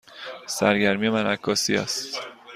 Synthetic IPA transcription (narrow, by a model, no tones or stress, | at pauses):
sæɾɟæɾmijemænækʰːɒːsḭæ̰st̪